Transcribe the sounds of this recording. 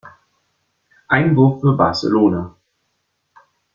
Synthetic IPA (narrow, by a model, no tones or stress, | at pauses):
ʔaɪnvʊɐffyːɐba̰ɐsḛloːna